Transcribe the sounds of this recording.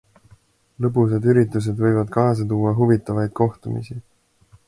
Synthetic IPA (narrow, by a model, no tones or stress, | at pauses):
lɤpus̬ed̪yɾit̪ːˑus̬e̞d̪vɤjvɑd̪̥kɑːs̬ɑt̪uːɑɦuvit̪ːˑɑvɑjd̪̥ko̞ht̪umḭsi